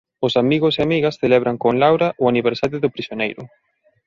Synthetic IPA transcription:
ʊsamiɣʊseamiɣɐsθelɛβɾaŋkoŋlawɾaʔʊaniβeɾsaɾjoðʊpɾisjonejɾʊ̰

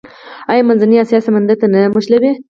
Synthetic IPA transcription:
ajɑmanzaniasijɑsamand̪at̪anamʊʃlabe

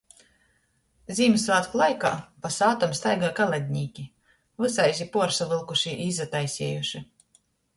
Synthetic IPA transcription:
zʲiːmsvaːt̪klˠajka̰ːpasaːt̪ɔmst̪ajɡaːkalˠad̪ʲɲʲiːkʲi | vɨsajzʲipuɔɾsavɨlˠkuʃiʔiːzat̪ajsʲiɛjuʃi

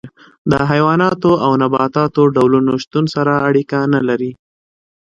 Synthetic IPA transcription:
d̪əɦajwɑnɑt̪oawnabɑt̪ɑt̪oɖawlunoʃt̪unsaɾaːɽikanalaɾi

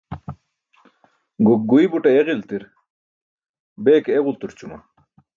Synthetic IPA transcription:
ɡuk̚ɡuibuʈɐjeʁilt̪iɾ | beːkeeʁult̪uɾt͡ɕumɐ

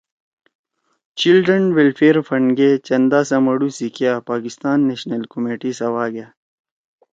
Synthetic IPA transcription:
t͡ɕilɖɾənwelfeːɾfɐɳɖɡet͡ɕɐnd̪aːsɐ̃mɐɽusikijaːpaːkist̪aːnːeɕnɐlkomeːʈisɐwaːɡjaː

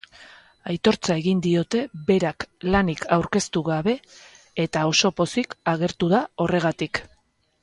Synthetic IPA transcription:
ajt̪o̞ɾt͡sae̞ɣind̪io̞t̪e̞be̞ɾaklanikʰawɾke̞st̪uɣaβe̞ː | t̪ao̞so̞po̞sikaɣe̞ɾt̪uðao̞re̞ɣ̞at̪ik

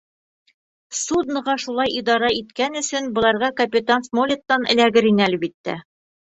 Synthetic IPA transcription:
sud̪nɤ̆ʁɑʃulˠɑjʔid̪ɑɾɑit̪kænɵ̆sɵnbŏlˠɑɾʁɑkɐpʲit̪ansmolʲet̪ːɑnɘ̰̆læɡɘɾinælɘbit̪ːæ̰

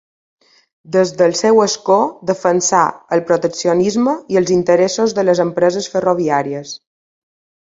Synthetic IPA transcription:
d̪əzðəlˠsɛwəskod̪əfənsa̰əlpɾot̪əksionizməiəlˠzint̪əɾesozðələzəmpɾəzəsfəroβiaɾiəs

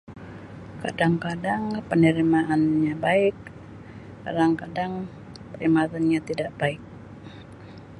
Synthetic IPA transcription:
ka̰daŋkadaŋpənəɾimaʔːnɲabaɪk̚ | ka̰daŋkadaŋ | pəɾimat̪anɲat̪idaʔb̥aɪk̚

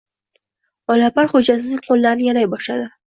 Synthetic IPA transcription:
ɒlapaɾχod͡ʒas̬ɪziqʰolːaɾnjaɾajbɒʃad̪ɪ

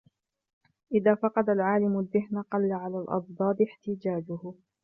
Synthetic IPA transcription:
ʔɪðaːfɑqɑd̪alʕaːlɪmʊaðːɪɦnaqɑlːaʕalaːlʔɑ̰d̪ˤd̪ˤɑːd̪ɪħt̪ɪd͡ʒaːd͡ʒʊhʊ

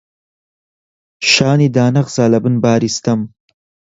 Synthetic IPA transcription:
ʃɑːnid̪ɑːnɐqz̥aːlɐbɨnbɑːɾist̪ɐm

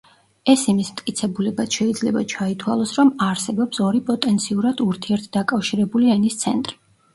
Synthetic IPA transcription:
ɛsimismt̪ʼkʼit̪sʰɛbulɛbasʃɛid̪zlɛbat͡ʃʰait̪ʰwa̰lˠɔsɾɔmaɾsɛbɔpsɔɾipʼɔt̪ʼɛnt̪sʰiuɾad̪uɾt̪ʰiɛɾt̪̚ʰd̪akʼafʃiɾɛbuliɛnist̪sʰɛ̰nt̪ʼɾi

